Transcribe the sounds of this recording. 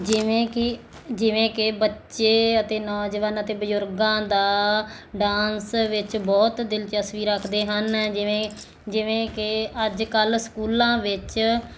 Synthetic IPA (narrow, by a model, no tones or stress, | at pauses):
d͡ʒɪʋẽːkɪ | d͡ʒɪʋẽːkɪbətːʃeːət̪eːnɔːd͡ʒəʋənət̪eːbəzʊɾɡãːd̪aːɖaːnsʋɪt͡ʃbɔːt̪d̪ɪlt͡ʃəsʋiːɾəkʰd̪eːɦənẽ | d͡ʒɪʋẽːkɪəd͡ʒkəlsə̥kuːlãːʋɪt͡ʃ